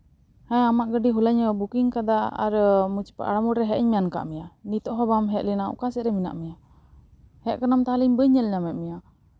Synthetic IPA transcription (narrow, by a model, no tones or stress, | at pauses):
hɛ̃amaʔɡəɖiɦulaɲəbukiŋkad̪aa̰ɾmut͡ʃpa̰ʔa̰ɽamuɽɾɛɦɛʔəɲmɛjanka̰ʔmijanit̪ɔʔɦɔbamɦɛt̪̚linaṵkasɛɾɛmina̰ʔmija | hɛʔ̚kanamt̪aliɲbəɲːɛlɲamɛmija